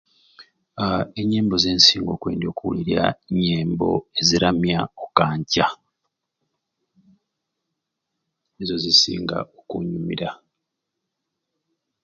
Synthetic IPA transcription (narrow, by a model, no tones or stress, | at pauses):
eɲːe̞ːmbo̞ze̞ːnsiːŋɡo̞kwe̞ːndio̞kuwuliɾija̰ɲeːmbo̞̰e̞ziɾamjaokaːɲca | ezo̞zisḭːŋɡa̰okuɲumḭɾa